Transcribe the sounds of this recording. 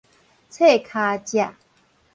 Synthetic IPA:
t͡sʰe˥˦˨kʰa˧t͡ɕja˨

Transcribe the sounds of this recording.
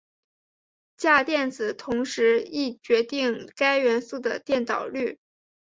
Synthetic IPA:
t͡ɕja˥˧t̪jɛ˥˩nt͡sɹ̩˨˩t̪ʰʊ˧˥ŋʂɻ̩˧˥i˥˩t͡ɕɥɛ˧˥t̪i˥˩ŋka˥ɪɥɛ˧˥nsu˥˩d̪ə̰˩t̪jɛ˥˩nt̪ɑ̰˨˩ʊly˥˩

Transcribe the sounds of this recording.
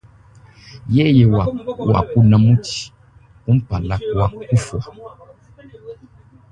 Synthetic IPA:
je˦je˨wa˨wa̰˨ku˦nã˨mũ˦ti̥˨ | ku˦m̩˦pa˨la˦kwa˦ku˦fwa˨

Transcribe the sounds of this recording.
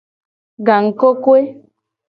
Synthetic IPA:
ɡa˨ŋ̩˨ko˦kwe˦

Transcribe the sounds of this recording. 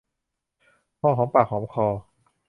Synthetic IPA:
kʰɔː˧˩kʰɔː˩˦mpaː˨˩kʰxʰɔː˩˦mkʰɔː˧

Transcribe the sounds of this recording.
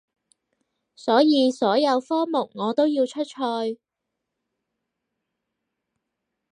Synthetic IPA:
sɔː˨˥jiː˨˧sɔː˨˥jɐ˨˧wfɔː˥mʊ˨˩k̚ŋɔː˨˧t̪o˥wjiː˧wt͡ʃʰɵ˥t̚t͡ʃʰɔː˧j

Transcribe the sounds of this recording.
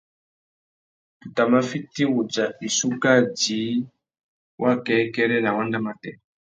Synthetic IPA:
tu˨ta˨ma˦fi˦ti˦wu˨d͡za˨i˨su˦ka˦˨d͡ʒi˨˦ | wʔa˦kɛ˨˦kɛ˦ɾɛ˦la˨wa˦nda˦ma˦tɛ˨

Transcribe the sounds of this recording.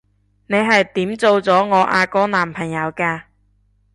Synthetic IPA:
ne˨˧jɦɐ˨jt̪iː˨˥mt͡so˨˧wt͡sɔː˨˥ŋɔː˨˧˥ʔa̰ː˧kɔː˥naː˨˩mpʰɐ˨˩ŋjɐ˨˧wkaː˧

